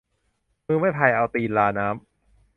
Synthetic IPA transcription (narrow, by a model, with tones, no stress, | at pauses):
mɯː˧˩ma˥˩jt̪ʰa˧jʔa˧wt̪iː˧nlaː˧naː˦˥m